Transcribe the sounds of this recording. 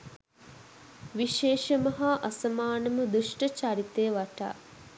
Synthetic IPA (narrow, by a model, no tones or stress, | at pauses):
ʋiʃeːʃəmɐɦaʔɐsɐmaːnəməd̪uʂʈət͡ʃaɾit̪eːʋaʈa̰ː